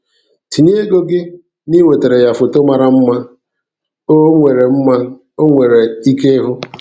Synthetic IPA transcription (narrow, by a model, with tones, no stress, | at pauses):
ti˨n˦e˦ɡo˦ɡɪ˦ | ni˦we˨te˨ɾe˨ja˨fʊ˨to˦ma˨ɾa˦m̩˦ma˦ | o˦ŋʷe˨ɾe˨m̩˦ma˦ | o˦ŋʷe˨ɾe˨i˦ke˦ɦʊ˦